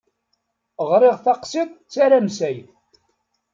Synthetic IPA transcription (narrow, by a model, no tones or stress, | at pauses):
ʁɾɪʁθɑqsitt͡sːaɾamsæjθ